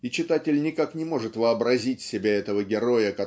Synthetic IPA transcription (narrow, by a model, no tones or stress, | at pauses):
it͡ɕɪt̪atʲɪlʲnʲɪkaknʲɪmo̞ʐɨt̪vəɐbɾɐzʲitʲsʲɪbʲaɛt̪əvəɡʲɪɾo̞jəkɐ